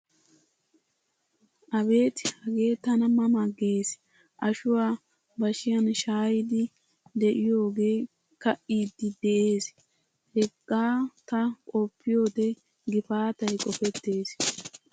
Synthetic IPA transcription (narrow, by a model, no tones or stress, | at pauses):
ʔɐbe̞ːt̪ɪ̥hɐɡe̞ːt̪ɐnɐmɐmɐɡeːs | ʔɐʃʊwaː | bɐʃɪjɐnʃaːjɪd̪ɪ | d̪ɛʔɪjo̞ːɡe̞ː | kɐʔiːd̪ːɪd̪ɛʔe̞ːs | hɛkʼːaːt̪ɐkʼɔpʰːɪjo̞ːd̪ɛ | ɡɪfaːt̪ɐjkʼɔfɛt̪ːe̞ːs